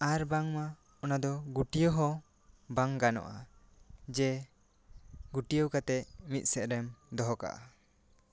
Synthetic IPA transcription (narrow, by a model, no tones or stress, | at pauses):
aɾbaŋma | ɔnad̪ɔɡuʈijɔɦɔ̃ | baŋɡanɔ̰ʔa̰ | d͡ʒɛ | ɡuʈijəwkat̪ɛʔmit̪̚ˀsɛʔɾɛmd̪ɔɦɔka̰ʔa